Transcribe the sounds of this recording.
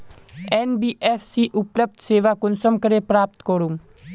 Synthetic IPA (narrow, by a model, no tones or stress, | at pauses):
eːnbiːʔeːfsiʔʊpləb̚d̪ʱseːʋakʊnsəmkəɾepɾaːp̚t̪koɾum